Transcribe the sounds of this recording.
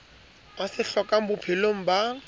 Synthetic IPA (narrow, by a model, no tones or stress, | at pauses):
asɪɬɔkam̩bʊpʰɪloŋ̩ba